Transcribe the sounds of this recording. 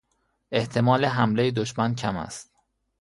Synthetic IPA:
e̞ht̪ʰe̞mɒːleɦæmlejed̪oʃmæncʰæmæ̰st̪̚

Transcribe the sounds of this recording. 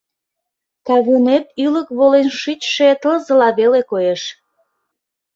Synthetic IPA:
kɑβynet̪yləkβolenʃyt͡ɕʃet̪əzəlɑβelekojeʃ

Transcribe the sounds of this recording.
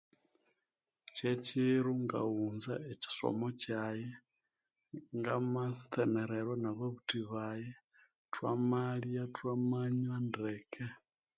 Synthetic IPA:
ceciɾuŋɡa̰unzaeci̥so̞̰mocaje | ŋɡamasi̥teneɾeɾwonaβoβutiβaje | twamalijatwamaɲwandekʰe

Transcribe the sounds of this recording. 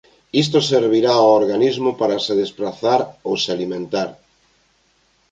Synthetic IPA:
is̬t̪oseɾβiɾaooɾɣanizmopaɾaseðespɾaθaɾowsalimẽnt̪aɾ

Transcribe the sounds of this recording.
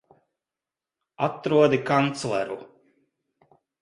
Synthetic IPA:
at̪ɾuɔd̪ikant̪slˠɛɾu

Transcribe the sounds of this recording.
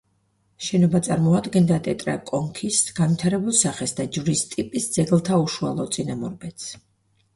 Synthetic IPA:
ʃɛnɔbat̪sʼaɾmɔad̪ɡɛnd̪at̪ʼɛt̪ʼɾa̰kʼɔŋkʰisɡ̥anvit̪ʰaɾɛbulˠsaχɛsd̪ad͡ʒvɾist̪ʼipʼisd̪z̥ɛɡlˠt̪ʰauʃua̰lˠɔt̪sʼinamɔɾbɛt̪s

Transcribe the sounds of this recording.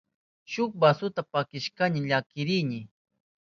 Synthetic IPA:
ʃʊk̚basʊt̪apakɪʃkanɪʎakɪɾɪnɪ

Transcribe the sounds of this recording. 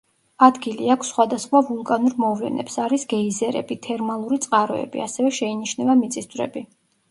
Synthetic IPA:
ad̪ɡiliakʰsχwad̪asχwavulˠkʼanuɾmɔvlɛ̰nɛ̰psaɾisɡɛizɛɾɛ̰bit̪ʰɛɾmalˠuɾit̪sʼqʼaɾɔ̰ɛ̰bḭasɛvɛʃɛiniʃnɛvamit̪sʼist̪ʰʼvɾɛ̰bi

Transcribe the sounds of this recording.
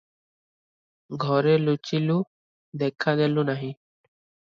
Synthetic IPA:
ɡʱɔːɾeːlʊt͡ʃiːlu | d̪eːkʰad̪eːlũːnaːɦĩː

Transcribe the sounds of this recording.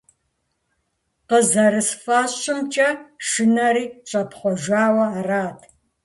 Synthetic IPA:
qəzɐɾɨsfaːɕʼɪmt͡ʃʼɐʂɨnɐɾiːɕʼɐpχʷɔʒʷaːwɐːraːtʰ

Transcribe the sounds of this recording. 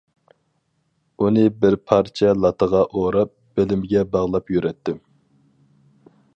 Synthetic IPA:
unɨbɪɾpʰɑɾt͡ʃʰɛlˠɑt̪ʰəʁɑʔoɾɑp̚b̥elɪmɪɡʲɛbɑʁlˠɑpjyɾɛt̪ʰːɪ

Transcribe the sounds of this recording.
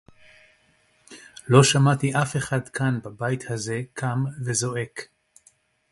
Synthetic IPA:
lo̞ʃamat̪iʔafe̞χadkʰanbabajit̪haze̞kʰamvezo̞ʔe̞k

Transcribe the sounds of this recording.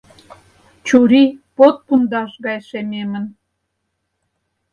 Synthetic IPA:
t͡ɕuɾipot̪̚pund̪ɑʃɣɑjʃememə̆n

